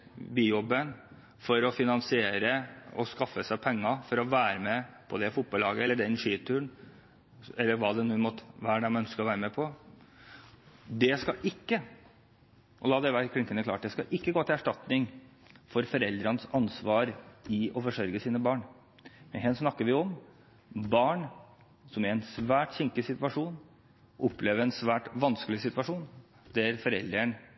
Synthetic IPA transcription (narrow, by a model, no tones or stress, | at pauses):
biːjɔbːən | fɔɾɔfɪnɑnsɪeːɾəɔskɑfːəsæɪpʰɛŋːɑfɔɾɔʋæːɾəmɛpʰɔd̪ɛfʊt̪̚bɑlɑːɡəɛlːəɖɛnʂiːt̪ʰʉːəɳ | ɛlːəɾʋɑːd̪ɛnʉːmɔt̪ːʋæːɖɛmœnskəɔʋæːɾəmɛpʰɔ | d̪ɛskɑʔɪkːə | ʔɔlɑːd̪ɛʋæɾkʰɾɪŋkənəklɑ̰ːʈ̚d̪ɛskɑʔɪkːəɡoːt̪ɪæʂʈɑt̪nɪŋ | fɔɾfɔɾɛld̪ɾɑnəsɑnsʋɑːɾɪɔfɔʂœɾɡəsiːnəbɑːɳ | mɛnɦɛnsnɑkːəɾʋɪɔm | bɑːɳ | sɔmæɾɛnsʋæːʈçɪŋkəsɪt̪ʋɑʂuːn | ʔɔpːleːʋəɾɛnsʋæːʈʋɑnskəlɪsɪt̪ʋɑʂuːn | d̪æɾfɔɾɛ̰ld̪ɾəɳ